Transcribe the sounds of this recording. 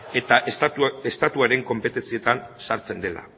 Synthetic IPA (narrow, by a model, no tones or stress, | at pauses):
et̪aʔest̪at̪uaɾe̞ŋko̞mpe̞t̪e̞nt͡sie̞t̪ansaɾt͡se̞nd̪e̞la̰